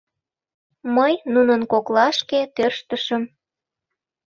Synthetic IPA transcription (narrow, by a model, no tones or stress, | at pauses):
məjnunənkoklɑʃket̪ørʃt̪əʃəm